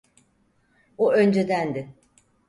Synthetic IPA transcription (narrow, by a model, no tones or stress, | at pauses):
uø̞nd͡ʒe̞d̪ænd̪ɪ